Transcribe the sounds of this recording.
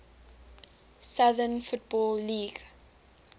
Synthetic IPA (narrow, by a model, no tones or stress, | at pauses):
sʌðənfut̚bɔːlːiːɡ